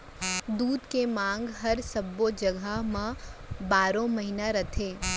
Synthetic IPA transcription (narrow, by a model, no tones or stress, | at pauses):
d̪uːd̪kemãːŋɡɦɐɾsɐbːod͡ʒɐɡəɦmãbaːɾõmɐɦinaɾɐt̪ʰeː